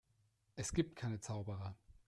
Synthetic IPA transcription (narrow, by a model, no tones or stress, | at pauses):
ʔɛsɡ̥iːp̚t̚kʰaɪnət͡saʊbəʁɐ